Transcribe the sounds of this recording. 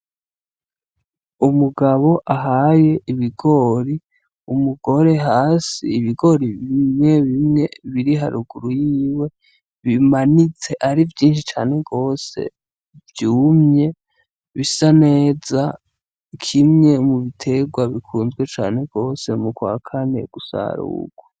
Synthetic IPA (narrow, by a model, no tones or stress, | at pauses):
umuɡaβo̞ʔaɦaje̞ʔiβiɡo̞ːɾi | umuɡo̞ɾe̞ɦaːsiːβiɡo̞ɾiβimŋe̞βimŋe̞βiɾiɦaɾuɡuɾujiːwe̞ | βimanit͡se̞ʔaɾivjiːnʃit͡ʃaːne̞ɡo̞ːse̞̰ | vjuːmɲe̞ | βisane̞ːza | kʰimɲe̞muβitʰe̞ɡwaβikʰuːnzɡwe̞t͡ʃa̰ːne̞ɡ̥o̞ːse̞mukwa̰ːkʰane̞̰ɡ̥usa̰ɾṵɡ̥wa